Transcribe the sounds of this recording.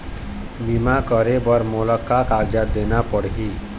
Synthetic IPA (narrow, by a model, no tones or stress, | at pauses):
bimakʌɾebʌɾmolʌkːakaɡd͡ʒad̪enapʌɽɦi